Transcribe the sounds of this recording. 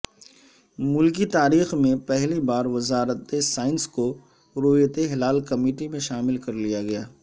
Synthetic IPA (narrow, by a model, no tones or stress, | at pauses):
mʊlkit̪aːɾiːxmẽpɛɦlibaːɾʋɐzaːɾət̪esaːɪnsko | ɾoːjət̪eɦɪlaːlkɐmiːʈimẽʃaːmɪlkɐɾlijaɡɐjaː